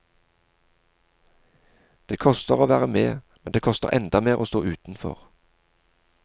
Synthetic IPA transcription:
d̪̥eːkʰɔst̪əʁoːʋæːʁəmeːmɛnd̪eːkʰɔst̪ə̰ʁʔɛnd̪ɑmeːʁoːst̪oːʉːt̪n̩fɔ̰ʁ

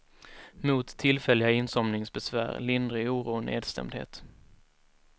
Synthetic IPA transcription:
muːt̪ʰːɪlfɛlːɪɡaɪnsɔmnɪŋsbɛsvæ̰ːɾlɪnd̪ɾɪuːɾuːənḛːd̪st̪ɛ̰md̪hḛːt̪

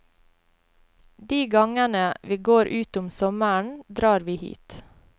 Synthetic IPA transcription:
d̪iːɡɑŋənəʋiːɡoːɾʔʉːt̪ʊmsɔmæɳd̪ɾɑːɾʋiːhḭːt̪

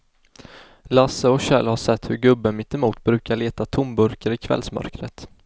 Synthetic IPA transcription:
lasəɔkɕɛ̰lhaʂɛt̪ːhɵɾɡɵbːəmɪt̪ːɛmuːt̪bɾʉ̟ːkaɭeːt̪at̪ʰʊmbɵɾkəɾɪkʰvɛ̰lsmœ̰ɾkɾət̪

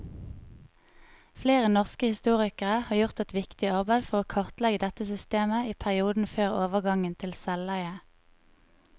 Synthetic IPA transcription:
fleːʁənɔʁskəhɪst̪uːʁɪkəʁəhɑːʁjʊʁt̪ɛt̪ʋɪkt̪ɪɑʁbæɪd̪fɔʁoːkʰɑʁt̪lɛɡəd̪ɛt̪əsʏst̪eːməiːpʰæʁɪuːd̪n̩føːʁoːʋəʁɡɑŋənt̪ʰɪlsɛlæʏə

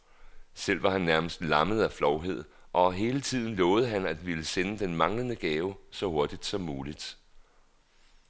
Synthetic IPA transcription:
sel̰ʋɑ̈hænːæɐməsd̥lɑ̈məð̞̩ˠæflɒʊɦe̝ð̞̰ˠ | ʔɒ̽ɦe̝ːlət͡sʰið̞̰ˠn̩lɔ̽ːʊð̞̩ˠəɦænæd̥ʋiləsenəd̥enmɑ̈ŋlənəɡ̥ɛːʊsɒ̽ho̝ɐd̥id̥sɒ̽mːuːlid̥

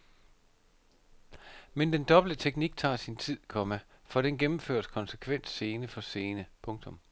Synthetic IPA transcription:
mend̥end̥ɒ̽b̥l̩d̥ət͡sʰeɡ̥niɡ̥̚t͡sʰɑ̰̈ːsint͡sʰið̰ˠkʰɒ̽məfɒ̽ɾ̥enɡ̥emm̩fø̰ːɐ̰skʰɒ̽nsəkʰʋen̰d̥se̝ːnəfɒ̽se̝ːnəpʰɔ̽ŋt͡sʰɔ̽m

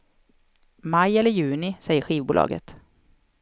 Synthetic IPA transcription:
majɛlːəɾjʉ̟ːnɪsɛjːəɧiːvbṵːlɑ̰ːɡə̰t̪

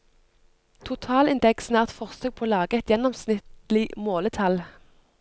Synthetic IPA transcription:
t̪ʰʊt̪ʰɑːlɪnd̪ɛksnæːʁt̪fɔʁsøːɡ̚pʰoːlɑːɡəɛt̪jɛnɔmsnɪt̪l̩ɪmoːlət̪ʰɑl

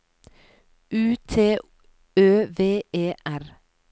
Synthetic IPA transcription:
ʔʉːt̪ʰeː | øːʋeːʔeːʔæɾ

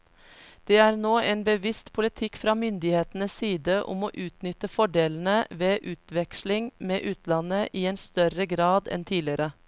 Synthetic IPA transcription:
d̪̥eːæːɾnoːʔeːnbəʋɪst̪pʰʊlɪt̪ʰɪkfɾɑːmʏnd̪ɪheːt̪n̩əsːiːd̪əʔʊ̰mo̰ːʔʉːt̪nʏt̪əfɔɖeːln̩əʋeːʔʉːt̪ʋɛkʃlɪŋmeːʔʉːt̪lɑnəʔiːeːnst̪œɾəɡɾɑːd̪ɛ̰nt̪ʰiːlɪəɾə

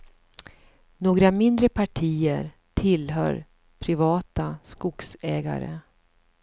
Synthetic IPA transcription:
noːɡɾamɪnd̪ɾəpʰaʈʰiːəɾ | tʰɪlɦœ̰ːɾ | pʰɾɪvɑːt̪askʊksɛːɡa̰ɾə̰

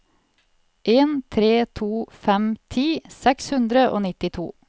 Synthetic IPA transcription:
ʔeːnt̪ʰɾeːt̪ʰuːfɛmt̪ʰiːsɛkshʉnd̪ɾəʔo̰ːnɪt̪ɪt̪ʰṵː

